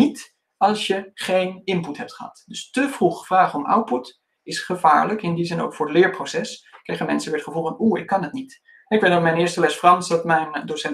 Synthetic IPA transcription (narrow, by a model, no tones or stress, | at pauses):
nit | ɑlˠsjəχejnɪmputɦɛp̚tχəɦɑ̰tdɵstəv̥ruχv̥raːχəɔmʔa̰wt̚put | ɪsχəv̥a̰ːɹləkɪndizɪno̰wkfʊːɹəlɪːɹprosɛskrejχəmɛnsəʋɪːɹtχəvulˠvɑnuɪkːɑnətnit | ɛɪkʋedmɛjnɪːɹstəlɛsfrɑnsdɑtmɛjndosɛn